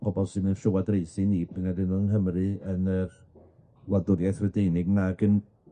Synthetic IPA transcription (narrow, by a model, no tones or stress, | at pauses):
pʰɔbɔlˠsɨnənɬʊwadrejsɨnipʰɪnadɪnɔənɦəmrɨənər | wadʊɾjajθwədeɨnɪɡnaɡən